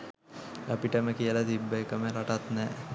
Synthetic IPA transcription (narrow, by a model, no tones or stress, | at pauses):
apiʈəməkijəlat̪ibːəekəməɾaʈat̪nɛː